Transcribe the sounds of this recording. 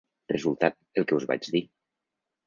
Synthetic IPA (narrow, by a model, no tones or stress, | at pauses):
rə̰zulˠt̪at̪̚elˠkəuzβa̰d͡ʒði